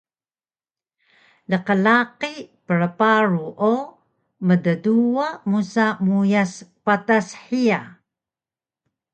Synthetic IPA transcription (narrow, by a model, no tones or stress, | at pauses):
ləqəlaqipəɭəpaɾuʔo | mədəduamusamujaspatasħia